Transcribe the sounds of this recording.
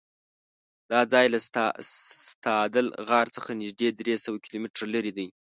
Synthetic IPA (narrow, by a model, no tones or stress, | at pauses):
d̪̥ɑd͡zɑjla | t̪ɑd̪əlɣɑɾt͡səxanɪʒd̪ed̪ɾesəwakilomɪʈɾalaɾid̪əj